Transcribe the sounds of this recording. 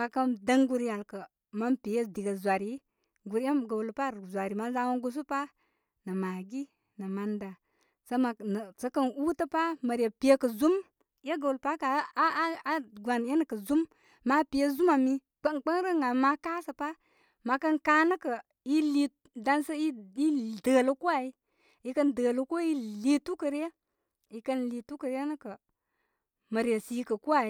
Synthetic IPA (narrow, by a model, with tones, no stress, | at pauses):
ma˨kə˦ndə˦ŋɡu˦ɾja˨lkə˨ | ma˦npi˨je˦di˨ɡə˨zwa˨ɾi˦ | ɡu˨ɾe˦mɡə˨lpa˦˨ɾzʷa˨ɾi˨ma˦za˦wo˦nɡu˦s̬u˦pa˦ | nə˨ma˨ɡi˦ | nə˨ma˨nda˨ | sə˦ma˨n˨sə˦kə˦nu˦tə˦pa˦mə˨ɾje˨pi˨je˦kə˨zu˦m | je˦ɡa˨u˨lpa˦ka˨˦a˦ɡʷa˨n˨je˦nə˨kə˨zu˦mː | a˦pi˨e˦zu˦ma˨mi˦ | k͡pə˦ŋ˨k͡pə˦n˦ɾə˦ŋa˨ma˦ka˦sə˨pa˦ | ma˨kə˦nka˦nə˦kə˨ | i˦li˨ | da˦nsə˦i˦i˦də˨lə˦ku˦a˨i˦ | i˨˦kə˦ndə˨lə˦ko˦i˦li˦tu˦kə˨ɾe˦ | i˨kə˦nli˨tu˦kə˨ɾje˦nə˦kə˨ | mə˨ɾe˨si˨kə˨ku˦a˨i˦